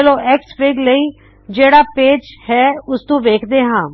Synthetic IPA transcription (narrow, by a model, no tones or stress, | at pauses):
əloːʔɛːkspɪɡləiː | d͡ʒeːɽaːpeːd͡ʒhɛːʊst̪õːʋeːkʰd̪eːɦãː